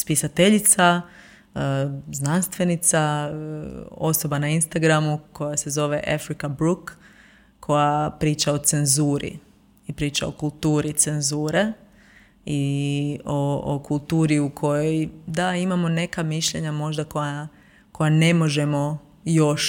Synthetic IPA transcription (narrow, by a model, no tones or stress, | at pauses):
spisat̪e̞ʎit̪sa | znanst̪ʋe̞nit̪sa | o̞so̞banainst̪aɡɾamuko̞jase̞zo̞ʋe̞ʔafɾikabɾukːʰ | o̞japɾiːt͡ʃaot̪se̞nzuːɾḭ | ipɾiːt͡ʃa̰o̰kulˠt̪uːɾit̪senzuːɾe | i | ookulˠt̪uːɾiukʰo̞jojd̪aimamo̞ne̞kamiʃʎe̞ɲamo̞ʒd̪ako̞ja | ko̞jane̞mo̞ʒe̞mo̞ | jo̞ʃ